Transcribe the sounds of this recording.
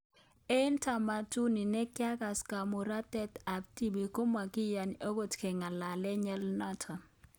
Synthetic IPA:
e˦ntʰa˨ma˨tu˦ni˨nɛ˦kja˦ka˨ska˨mu˨ɾa˦tɛ˦ta˨b̚ti˦bi˨ko˦ma˨ki˦ja˨no˦ko˨tkɛ˨ŋa˨la˨lɛ˦ɲɛ˦lna˦tʰa˨

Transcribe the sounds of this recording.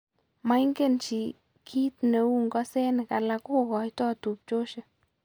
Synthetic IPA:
ma˦jŋɡe˦˨nt͡ʃi˨ | kʰi˦t̪ne˨u˦ŋɡɔ˦se˦nɪ˨ka˨la˧kʊ˦˨ɡɔ˨jt̪ɔ˦˨t̪u˨p̚t͡ʃo˦t͡ʃe˨

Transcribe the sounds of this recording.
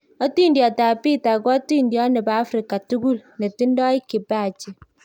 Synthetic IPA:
ɔ˦ti˦n˦djɔ˨ta˨pi˦˨ta˨ɡɔ˦ti˦˨n˦djɔ˦nɛ˨baː˨˦fɾi˨ka˨tu˦ɡu˦˨lne˨ti˦n˦dɔ˦i˦ki˨ba˦˨t͡ʃi˨

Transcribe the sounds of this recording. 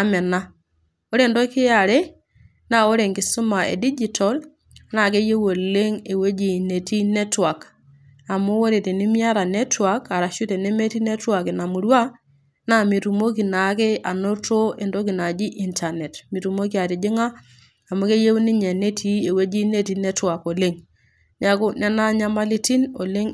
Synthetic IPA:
a˦mɛ˨na˦ | o˦ɾe˦˨ndo˦kɪ˦a˨ɾe˦ | na˦o˦ɾe˨ŋkɪ˨su˦ma˨ḛ˨di˦d͡ʒi˨tɔ˨l | na˦˨ke˦je˦wo˨le˦ŋe˨we˦d͡ʒi˨ne˨ti˦ne˦twa˨k | a˨mʊ˦wo˦ɾe˨te˨ni˦mi˦a˦ɾa˨ne˦twa˨ka˨ɾa˨ʃu˦te˨ne˦me˦ti˦ne˦twa˨ke˨na˨mu˨ɾwa˦ | na˦˨mi˨tu˨mo˦ki˨na˨ke˦a˨no˦to˦e˨ndo˦ki˨na˨d͡ʒi˦ʔi˨nta˨ne˨tmi˨tu˨mo˦ki˦a˨ti˨d͡ʒɪ˦ŋa˦ | a˨mu˦ke˦je˦wni˦ɲe˨ne˦tʰi˦e˨we˦d͡ʒi˦ne˦ti˨ne˦twa˨ko˨le˦ŋ | ɲa˨ku˦nɛ˦na˦ɲa˦ma˦li˦ti˦no˨le˦ŋ

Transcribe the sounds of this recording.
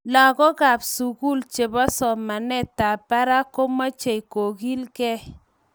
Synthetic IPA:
la˨kɔ˦ka˨psu˨ku˦lt͡ʃe˨bɔ˦sɔ˨ma˨nɛ˦ta˨pa˦ɾa˦ko˦ma˦t͡ʃe˨i˨ko˨ɡi˦lkɛ˦

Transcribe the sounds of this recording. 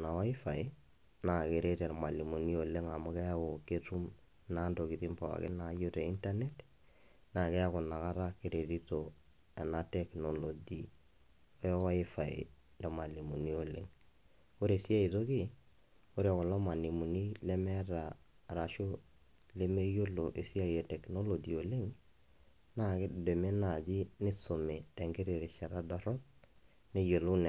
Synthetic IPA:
na˨wa˦ɪ˦fa˨ɪ˦ | na˨ke˨ɾe˦ɾɛ˨ɾa˨ma˨li˨mu˨ni˦o˨le˦ŋa˨mʊ˦kɛ˦a˦o˨ke˦tu˦m | na˦ndo˨ki˨ti˦mpa˨a̰˨kɪ̰˦na˨˦jo˦tɛ˨i˦nta˦ne˦t | na˨kɛ˦a˦kʊ˨na˨ka˦ɾa˦ke˦ɾe˨ɾi˦to˨ | ɛ˨na˦tɛ˦kno˨lo˨d͡ʒi˨ | o˦jɔ˦wa˦ɪ˦fa˨ɪ̰˨ɾɛ˨ma˨li˨mu˨ni˦o˨le˦ŋ | ko˦ɾe˨si˦a˦i˨to˦kɪ˦ | ko˦ɾe˦˨kɔ˨lɔ˦ma˨ni˨mu˨ni˦le˦mɛ˦ɾa˨ɾa˨ʃo˦ | le˦me˦jo˦lo˨ʔe˨si˦a˦je˨tɛ˨kno˦lo˨d͡ʒi˨o˨le˦ŋ | na˦˨kɪ˦˨de˨me˦na˨d͡ʒi˦nɪ˦so˨me˨te˨ŋɡɪ˦ɾe˨ɾe˨ʃɛ˨ɾa˦dɔ˨ɾɔ˦ | ne˦jo˨lo˦n˨

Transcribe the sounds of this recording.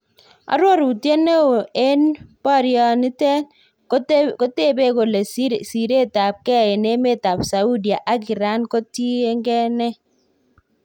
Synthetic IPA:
a̰˨˦ɾwɔ˦˨ɾu˨tje˦ne˦o˨e˦npa˦˨ɾjɔ˨ni˦tɛ˦n | ko˦te˦˨be˦ko˨le˨ssi˨ɾe˦ta˨p̚kɛ˦˨ɛ˨ne˦me˦˨ta˨psa˨u˦di˨a˨ʔa˦ki˨ɾa˦nko˦ti˦e˦ŋɡɛ˦nɛ˦

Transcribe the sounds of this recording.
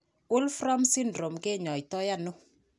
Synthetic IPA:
ʊ˦lfɾɔ˦msi˦ndɾo˨mɡe˦˨ɲɔ˨i˨tɔ˦ja˦nʊ˦

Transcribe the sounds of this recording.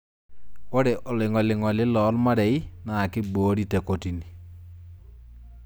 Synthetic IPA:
o˦ɾe˨ʔɔ˨lɪ˨ŋɔ˨lɪ˨ŋɔ˨lɪ˦lɔ˨˦lma˦ɾɛ˨i˦na˨kɪ˦boː˨˦ɾi˦tɛ˨ko˨ti˨ni˨

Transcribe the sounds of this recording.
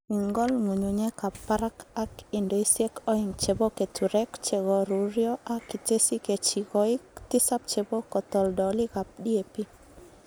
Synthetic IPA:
i˨ŋɡɔ˦lŋo˨ɲu˨ɲe˦ka˨pa˦ɾa˦ka˦kɪ˨ndo˨i˦sje˦kɔ˦ɪ˨ŋt͡ʃe˨bo˦ke˨tʰu˨ɾɛ˦kt͡ʃe˨ɡɔ˨ɾu˨ɾjɔ˦ʔa˦ki˨te˦si˦ke˨t͡ʃi˨ɡɔ˨ɪ˦kt̪ɪ˦sa˦p̚t͡ʃe˨bo˦kɔ˨t̪ɔ˨ldɔ˨lɪ˦ɡa˨p̚di˦e˨pi˦

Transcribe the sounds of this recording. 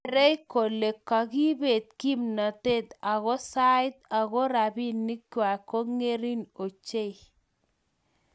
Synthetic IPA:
ɾe˦jko˨le˨kːa˨ki˦be˨t̪̚ki˦mna˨t̪e˦˨t̪a˨ɣɔ˦sa˦ɪ˦t̪a˨ɣo˦ɾa˨bi˦nːi˦kwa˨ko˦ŋe˦ɾi˦no˨t͡ʃe˦j

